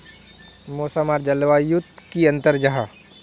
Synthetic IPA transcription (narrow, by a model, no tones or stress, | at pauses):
moːsamaːɾd͡ʒɐlʋajut̪̚kiɐ̃nt̪əɾd͡ʒɐɦa